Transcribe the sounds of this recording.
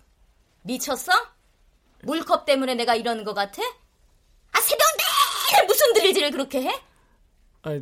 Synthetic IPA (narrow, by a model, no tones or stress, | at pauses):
mit͡ɕʰʌsʰʌ | muɭkʰʌp̚t͈e̞mune̞ne̞ɡaiɾʌnɯnɡʌk͈atʰe̞ | asʰe̞bjʌŋdemusʰɯndɯʎːid͡ʑiɾɯɭkɯɾʌkʰe̞ɦe̞